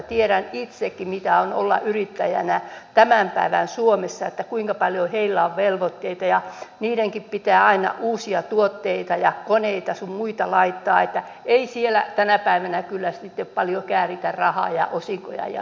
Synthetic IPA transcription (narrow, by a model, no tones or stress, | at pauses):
t̪ieɾænit̪sekːimit̪æono̰lːɑ̰ʔyrit̪ːæjæ̰næt̪æmæmpæiʋæ̰nsuomesːɑet̪ːækuiŋkɑpɑljoheilːæoʋʋelʋot̪ːeit̪ɑjɑniːɾeŋkippit̪æːɑinɑ̰ʔuːsiɑt̪uot̪ːeit̪ɑjɑkoneit̪ɑsummuit̪ɑlɑit̪ːɑːet̪ːæeisielæ̰t̪ænæpæiʋænækylːæsit̪ːeppɑljokæːrit̪ærrɑhɑ̰ːjɑ̰ʔosiŋko̰jɑ̰jɑ̰